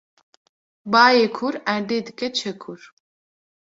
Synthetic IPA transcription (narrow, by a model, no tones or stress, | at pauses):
baːjeːkʰuɾæɾd̪eːd̪ɨkɛt͡ʃʰɛkʰuɾ